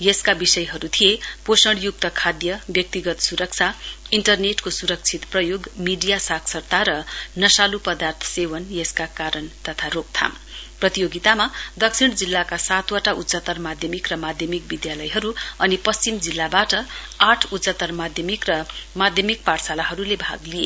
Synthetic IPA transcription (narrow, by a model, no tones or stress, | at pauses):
jeskabisʌjɦʌɾut̪ʰijeposʌɽjuk̚t̪ʌkʰad̪jʌbjʌk̚t̪iɡʌt̪suɾʌk̚t͡sʰaiɳʈʌrneʈkosuɾʌk̚t͡sʰit̪prʌjoɡmiɖijasaksʌrt̪aɾʌnʌsalupʌd̪art̪ʰʌ̥sewʌnjeskakaɾʌnt̪ʌt̪ʰaɾok̚t̪ʰa̰m | prʌt̪ijoɡit̪amad̪ʌksʰiɽd͡zilːakasat̪waʈautt͡sʌt̪ʌrmad̪ʱjʌmikrʌmad̪ʱjʌmik̚bid̪jalʌjɦʌɾuʌnipʌst͡simd͡zilːabaʈʌaʈʰutːt͡sat̪ʌrmad̪ʱjʌmikrʌmad̪ʱjʌmik̚parsalaɦʌɾulebʱa̰ɡlije